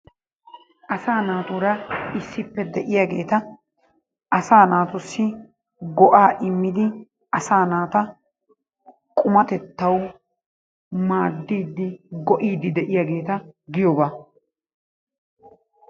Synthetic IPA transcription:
ʔɐsaːnaːt̪uːɾɐɪsːɪpːɛd̪ɛʔɪjaɡe̞ːt̪ɐ | ʔɐsaːnaːt̪ʊsːɪ | ɡɔʔaːʔɪmːɪd̪ɪ | ɐsaːnaːt̪ɐ | kʼʊmɐt̪ɛt̪ːɐw | maːd̪ːiːd̪ːɪɡɔʔiːd̪ːɪd̪ɛʔɪjaɡe̞ːt̪ɐɡɪjɔbaː

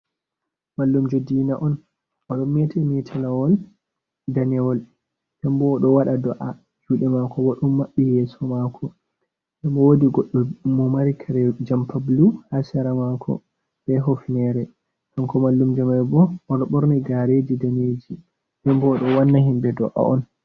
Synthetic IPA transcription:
malːumd͡ʒodiːnaʔɔn | ɔɗɔmetʰɛmitʰɛlawɔl | danɛwɔl | ɗɛmbɔːɗɔwaɗadɔʔa | d͡ʒuːɗɛmakɔbɔɗumːaɓːijɛsɔmakʰɔ | ɗɛmbɔwodiɡɔɗːɔmɔmaɾikʰaɾɛd͡ʒampʰabluhasɛɾamakʰɔ̰ | bɛɦofnɛɾɛ | tɔnkɔmalːumd͡ʒɔmɛbɔɔɗɔɓɔɾniɡaɾed͡ʒidaneːd͡ʒi | dɛmbɔːɗɔwanːahimbɛdɔ̰ʔa̰ɔ̰n

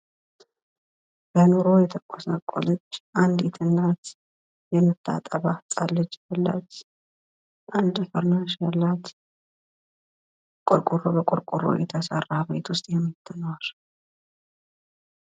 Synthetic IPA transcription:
b̥ənuɾo̞jɛt̪ʰəkʼosakʷʼːo̰lət͡ʃːʔand̪jɛt̪ʰɨnːat̪ | jɛmɨt̪ʰːa̰t̪ʼəβat̪ʼalːɨd͡ʒbəlːa̰t͡ʃ | ʔand̪fəɾnanʃalːat̪ | kʼoɾkʼurobəkʼʊɾkʼuro̰jɛt̪ʰəsarːabet̪wʊst̪ʼjɛmːit̪ʰːənwaʃ

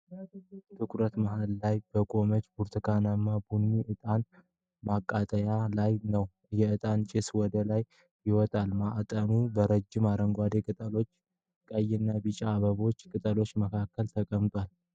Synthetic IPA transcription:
t̪ʰɨkʰʷʼɾət̪maɦalːajbəkʼo̞mət͡ʃːbuɾt̪ʰɨkʰanamːabunːiʔɨt̪ʼan | makʼːat̪ʼəjalajnəw | jɛɨt̪ʼant͡ʃʼɪswɔd̪əlaj | jɪwɔt̪ʼalmaʔat̪ʼəmubəɾəd͡ʒɪmaɾəŋɡʷad̪e̞kʼɨt̪ʼəlo̞t͡ʃː | kʼəjːɪnːabɨt͡ʃʼaːβəβo̞t͡ʃːkʼɨt̪ʼəlo̞t͡ʃːməkʰakːəlt̪ʰəkʼəmt̪ʼwal

